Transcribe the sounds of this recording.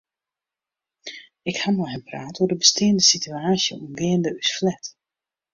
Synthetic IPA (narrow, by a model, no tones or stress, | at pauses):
ɪkhamɔjɦɛnpraːtʰuədəbəstɪːndəsityaːsjəumʋɪːəndəysflɛt